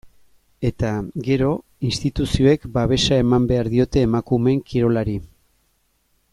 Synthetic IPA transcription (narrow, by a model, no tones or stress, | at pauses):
e̞t̪aɡe̞ɾo̞ | inst̪it̪usio̞e̞kbaβ̞e̞sae̞mambe̞aɾðio̞t̪e̞ːmakume̞ŋkiɾo̞laɾi